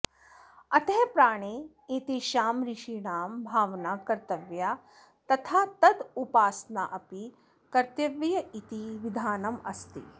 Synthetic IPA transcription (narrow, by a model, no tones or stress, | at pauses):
ɐt̪ɐɦpɾaːɳ̃eː | eːt̪eʃaːmɾiʃiːɳaːmbʱaːʋnaːkɐɾt̪ɐʋjaː | t̪ɐt̪ʰaːt̪ɐd̪upaːsnaʔɐpi | kɐɾt̪jɐʋjɐit̪iʋid̪ʱaːnɐmɐst̪ḭ